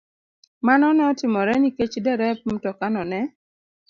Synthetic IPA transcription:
manɔnɛɔtɪmɔɾɛniket͡ʃdɛɾɛpmtɔkanɔnɛ

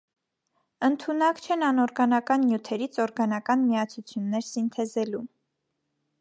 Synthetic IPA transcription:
ənt̪ʰunɑkt͡ʃʰɛnɑnɔɾɡɑnɑkɑnːjut̪ʰɛɾit͡sʰɔɾɡɑnɑkɑnmiɑt͡sʰut͡sʰjunːɛɾsint̪ʰɛzɛlum

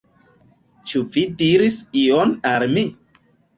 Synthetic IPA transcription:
t͡ʃuvidiɾisionalmi

